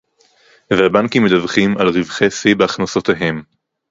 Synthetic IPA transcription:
vehabaŋkimːed̪avχimalʁivχesibeaχnasot̪eɦem

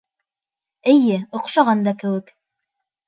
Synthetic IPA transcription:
ɘ̆jɘŏqʃɑʁɑnd̪ɑkɘ̆wɘk

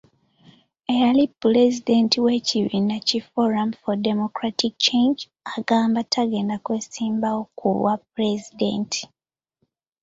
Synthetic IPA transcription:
ejaliplezide̞ntiwe̞ciβinacifoɾamfodemokɾatikt͡ʃe̞ɲd͡ʒ | aɡaːmbatʰaɡe̞ːndakwe̞ːsiːmbawo̞kʰṵwapɾezidḛntʰi̥

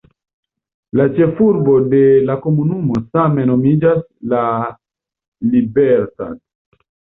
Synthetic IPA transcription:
lat͡ʃe̞fuɾbo̞de̞lako̞munumo̞same̞no̞mid͡ʒasla | libeɾta̰n

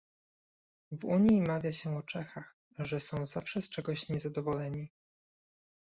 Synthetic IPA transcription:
vuɲjimavʲjaɕɛɔt͡ʂɛxax | ʐɛsɔ̃w̃zafʂɛst͡ʂɛɡɔɕɲɛzad̪ɔvɔlɛɲi

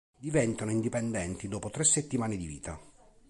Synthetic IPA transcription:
d̪ivɛnt̪anoind̪ipɛnd̪ɛnt̪id̪oːpot̪ɾesːet̪ːimaːned̪ivḭːt̪a

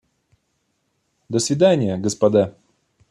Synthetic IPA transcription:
d̪əsvʲɪd̪anʲɪjəɡəspɐd̪a

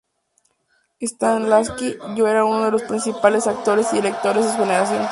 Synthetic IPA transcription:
est̪anlaskiʝoe̞ɾaunoðe̞lo̞spɾinsipale̞sak̚t̪o̞ɾesiðiɾek̚t̪o̞ɾe̞zesuxeneɾas̬jo̞n

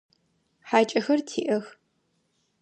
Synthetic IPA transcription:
ħaːt͡ʃʼɐxɐrtʰiːʔɐx

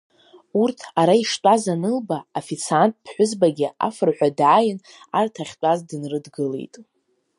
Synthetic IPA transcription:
urtʰaɾaiʂtʼazanɨlbaafit͡sʰantʼpʰħʷʊzbaɡʲɪa̰fɨrħʷᶣadʕaːjɪn | artʰaχʲt͡pʷʼazdɨnrɨdɡɨlḛjtʼ

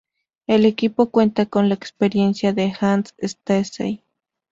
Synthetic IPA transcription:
elekipokwent̪akonlaekspeɾjensjaðexansest̪esḛj

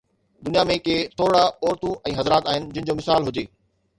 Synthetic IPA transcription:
d̪ʊnijamẽkeːt̪ʰoːɾɽaɔːɾt̪ũɛ̃ːɦɐzɾaːt̪aːɦɪnɪ̆d͡ʑɪnɪ̃̆d͡ʑoːmɪsaːlɦʊd͡ʑeː

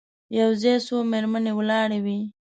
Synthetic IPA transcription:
jawzesomeɾmənewlɑɽewi

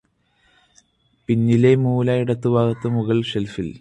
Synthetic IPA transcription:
pinːile̞muːlaːjiɽɐt̪ːɨbʱaːɣɐt̪ːɐmuɣɐɭʂelfil

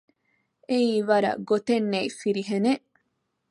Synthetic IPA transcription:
eiːʋɐɾɐ̰ɡot̪enːeifiɾiɦeneʔ

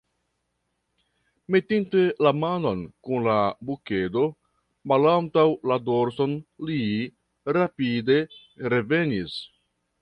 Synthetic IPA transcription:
me̞tinte̞lamano̞nkunlabuke̞do̞ | malantawladoɾso̞nli | ɾapide̞ | ɾe̞ve̞nis

